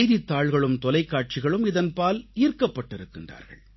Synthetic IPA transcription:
ɪðɪt̪ːaːɭɣɐɭɯmt̪ɔlɐɪkːaːʈ̚t͡ʃɪɣɐɭɯmɪðɐnpaːliːrkɐpːɐʈːɪɾɯkːɪnra̰ːɾɣɐ̰ɭ

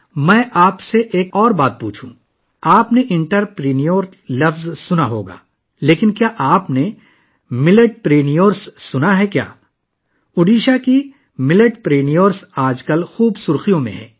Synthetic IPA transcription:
mɛ̃ːʔaːpseʔeːkɔːɾbaːt̪̚pṵːt͡ʃʰṵ̃ | aːpneʔɪ̃ɳʈəɾpɾeːnijoːɾ | lɐfzsʊnaɦoːɡa̰ː | leːkɪnkjaːʔaːpne | mɪleʈ̚pɾeːnijoːɾsːʊnaɦɛkja̰ː | ʊɖiːʃaki | mɪləʈpɾeːnijoːɾsaːd͡ʒkəlxuːbsʊɾxijõmḛ̃ɦɛ̰̃ː

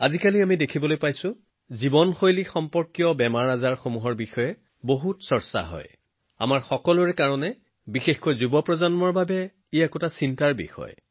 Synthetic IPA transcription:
azikaliamidekʰibɔlojpajsʊ̃ | zibɔnxojlixɔmpɔɹkjɔbɛmaɹazaɹxomuɦɔɹbixɔjɛ | boɦutsɔɹsa̰ɦɔ̰j | a̰maɹxɔkɔlʊɹɛkaɹɔnɛ | bixexkojzubɔpɹɔzɔnmɔɹbabɛ | iɛkotasintaɹbḭxɔ̰j

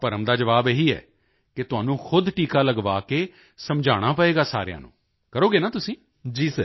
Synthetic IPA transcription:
pəɾəmd̪aːd͡ʒəʋaːbeɦiːɛ̰ː | kɪt̪ʊɦaːnũːxʰʊd̪ʈiːkaːləɡʋaːkeː | səmd͡ʒʱaːɽ̃aːpəeːɡaːsa̰ːɾejã̰ːnṵ̃ː | kəɾoːɡeːnãːt̪ʊsĩː | d͡ʒiːsə

